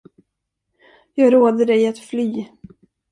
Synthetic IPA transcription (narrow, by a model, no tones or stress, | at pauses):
jɑːɡɾoːd̪əɖɛjat̪flyː